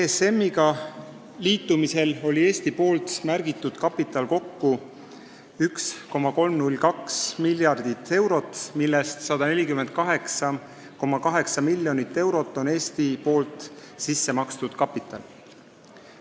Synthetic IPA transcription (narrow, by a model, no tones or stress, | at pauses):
ese̞mːiɡɑ | liːt̪ːˑumise̞lo̞lʲie̞ːst̪ipo̞ːlt̪mærɡ̥it̪ːˑud̪̥kɑpit̪ˑɑlko̞kːu | yksko̞mːɑko̞lmnulʲːkɑksmilʲjɑrd̪̥it̪ːˑe̞wɾo̞t̪ːmilːest̪sɑd̪̥ɑne̞lʲikymend̪̚kɑɦe̞ksɑ | ko̞mːɑkɑɦe̞ksɑmilʲːjo̞nit̪ːe̞wɾo̞t̪ːˑo̞ne̞ːst̪ipo̞ːlt̪ˑsisːe̞mɑkst̪ud̪̥kɑpːˑit̪ːˑɑ̰l